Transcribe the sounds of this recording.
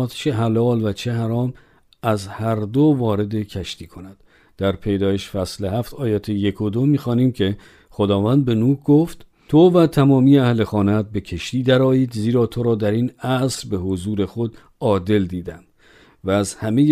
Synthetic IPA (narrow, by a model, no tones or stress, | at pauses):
t̪t͡ʃʰe̞ɦælɒːlvæt͡ʃʰe̞ɦæɾɒːm | æzhæɾd̪ovɒːɾe̞d̪e̞cʰæʃt̪iːkʰo̞næd̪̥ | d̪̥æɾpʰe̞jd̪ɒːjeʃfæsleɦæft̪ʰɒːjæt̪ʰejekʰod̪omiːxɒːniːmcʰe̞ | χod̪ɒːvænd̪̚be̞nuːkɡoft̪ | t̪ʰovæt̪ʰæmɒːmiːjeæhle̞xɒːnæt̪̚be̞kʰe̞ʃt̪iːd̪æɾɒːiːd̪ziːɾɒːt̪ʰoɾɒːd̪æɾinæsɾbe̞ɦozuːɾe̞xo̞d̪ | ɒːd̪e̞ld̪iːd̪æm | væːzhæmej